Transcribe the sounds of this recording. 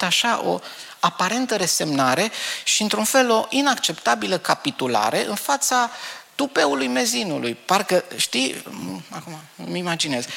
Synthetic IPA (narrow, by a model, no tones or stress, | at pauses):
t̪aʃaʔo̞̰ | apaɾe̞nt̪əɾe̞se̞mnaɾe̞ʃiɨnt̪ɾunfe̞lo̞ʔinakt͡ʃe̞pt̪abiləkapit̪ula̰ɾe̞ʔɨnfat̪sat̪upe̞ulujme̞zinulujparkəʃt̪i | akumamimad͡ʒine̞z̥